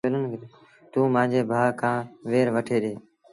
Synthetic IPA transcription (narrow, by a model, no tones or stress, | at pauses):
ɪlən | t̪ũːmãːd͡ʑeːbʱaːɡkʰãːʋeːɾʋəʈʰeːɗeː